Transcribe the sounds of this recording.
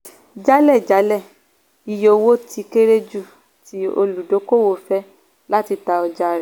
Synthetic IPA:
d͡ʒa˦lɛ˦˨d͡ʒa˨˦lɛ˦˨ | i˨jo˨wo˦ti˧ke˦ɾe˦d͡ʒu˦˨ | ti˨˦o̰˧lu˨do˨˦ko˦wo˦˨fɛ˦ | la˦ti˧ta˧ɔ˧d͡ʒa˧˦˨ɾɛ˨

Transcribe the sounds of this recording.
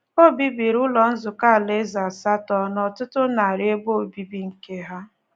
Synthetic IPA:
o˦bi˦bi˨ɾʊ˦lɔ˨n̩˦zʊ˨ka˦˨le˦za˨sa˦tɔ˦nɔ˨tʊ˦tʊ˦na˨a˨ɾe˦bo˦˨bi˦bi˨ŋ̩˨ke˦ɦa˦

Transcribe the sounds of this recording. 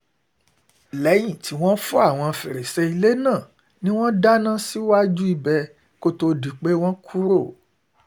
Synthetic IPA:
lɛ˨˦j̃ĩ˦˨tʰi˨˦w̃ɔ̃˦fu˦a˦˨w̃ɔ̃˧fe˨ɾe˨sɛ˧i˧le˦nãː˦˨ | nĩ˦w̃ɔ̃˦da˦nã˦si˦wa˦d͡ʒu˦i˧bɛ˧ | ko˧to˧di˨k͡pe˨˦w̃ɔ̃˦kʰu˦ɾo˦˨

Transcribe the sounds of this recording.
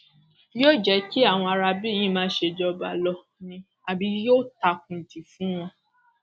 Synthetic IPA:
jo˦˨d͡ʒɛ˧˦ki˦a˦˨w̃ɔ̃˧a˧ɾa˧bi˦j̃ĩ˧˦mãː˦˧˦ʃe˧˨d͡ʒɔ˧ba˧˨lɔ˧ | nĩ˧ | a˨bi˨˧˦joː˦˨ta˧kũ˨n̩˨ti˨fũ˨˦w̃ɔ̃˧

